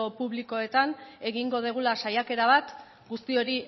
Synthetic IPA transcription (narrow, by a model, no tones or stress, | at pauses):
opuβliko̞e̞t̪ane̞ɣiŋɡo̞ðeɣ̞ulasajake̞ɾaβ̞at̪ | ɡust̪io̞ɾi